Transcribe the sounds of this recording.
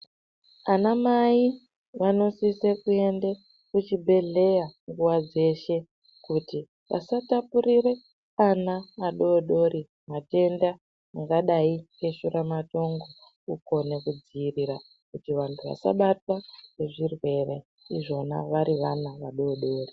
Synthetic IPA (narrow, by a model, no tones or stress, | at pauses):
anamai | ʋano̞sisekue̞nde | kut͡ʃibʱe̞ɮe̞jaŋɡuwad͡ze̞ʃe̞ | kuti | ʋa̰satapuɾiɾe̞ | anaːɗo̞ɗo̞ɾi | mate̞nda | aŋɡaɗaikeʃuɾamato̞ŋɡo̞ | uko̞ne̞kud͡ziːriɾa | kutiʋantʰuʋa̰sa̰ɓatwane̞ʐirwe̞rḛ | iʐo̞na̰ʋaɾiʋanaʋaɗo̞ːɗo̞ːri